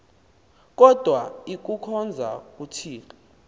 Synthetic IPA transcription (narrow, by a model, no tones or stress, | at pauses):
k̬ʼɔd̥ʱwaik̬ukʰɔnd͡zʱa̰k̬ʼutʰiːla